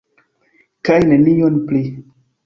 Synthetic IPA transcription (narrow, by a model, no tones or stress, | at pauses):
kajnenijonpli